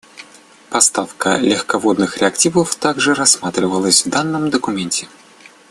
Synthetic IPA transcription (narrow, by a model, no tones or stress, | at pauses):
pɐst̪afkəlʲɪxkɐvo̞d̪nɨxɾʲɪɐktʲivəft̪aɡʐɨɾɐsmat̪ɾʲɪvəlˠəsʲvd̪anːəmd̪əkʊmʲenʲtʲɪ